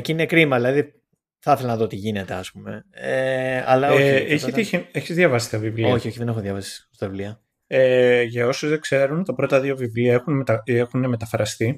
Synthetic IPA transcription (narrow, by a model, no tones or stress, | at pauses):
eciinekɾimɐðilɐði | θɐθelɐnɐðot̪iʝine̞t̪eɐspume̞̰eɐ̰lɐoeçieçizðʝɐvɐsist̪ɐvivlioçioçiðenexoðʝɐvɐsi̥st̪ɐvivliɐ | eʝɐo̞suzðekse̞ɾunt̪ɐpɾo̞t̪ɐðiovivliɐexunmt̪exunemet̪ɐfɾɐst̪i